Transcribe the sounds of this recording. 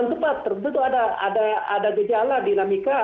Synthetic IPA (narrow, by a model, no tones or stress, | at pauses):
nt̪əpat̪ːərənt̪ut̪uadaa̰daa̰daɡəd͡ʒaladinamika